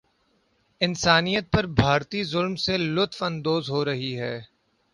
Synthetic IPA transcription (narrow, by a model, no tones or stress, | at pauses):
ɪnsaːnijət̪̚pɐɾbʱaːɾt̪izʊlmselʊt̪fɐ̃nd̪oːzɦoːɾɐɦiɦɛː